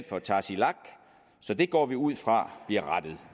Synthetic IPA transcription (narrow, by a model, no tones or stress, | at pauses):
fɒ̽t͡sʰɑ̰̈silɑ̈ɡ̥ | sɒ̽d̥e̝ɡ̥ɒ̰ːʋiuð̞̰ˠfʁɑ̈b̥liɐʁad̥əð̞̩ˠ